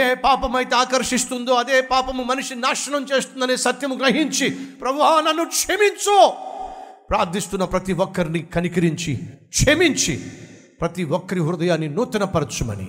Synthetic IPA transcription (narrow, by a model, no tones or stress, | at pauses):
eːpaːpɐmɐjt̪ɐaːkɐɾʂist̪und̪oːɐd̪eːpaːpɐmumɐnuʂinaːʂɐnɐmt͡ʃeːst̪und̪ɐnesɐt̪jɐmuɡɾɐɦiɲt͡ʃipɾɐbuɦaːnɐnːukʂemiɲt͡ʃoː | pɾaːɾd̪ʱist̪unːɐpɾɐt̪iʋɔkːɐɾinikɐnikiɾiɲt͡ʃikʂemiɲt͡ʃʰḭ | pɾɐt̪iʋɔkːɐɾiɦuɾud̪ɐjaːnːinuːt̪ːɐnɐpɐɾɐt̪t͡ʃumɐ̰nḭ